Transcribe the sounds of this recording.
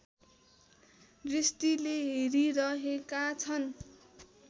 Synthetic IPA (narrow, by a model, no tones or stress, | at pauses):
rist̪ileɦeɾiɾʌɦekat͡sʰʌn